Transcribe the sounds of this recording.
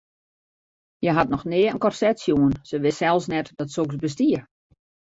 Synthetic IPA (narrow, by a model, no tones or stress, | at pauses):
jəɦatnɔxnɪəənkɔrsɛtsjuənsəʋɪsɛlˠsnɛtd̥ɔtsoksbəs̬tiər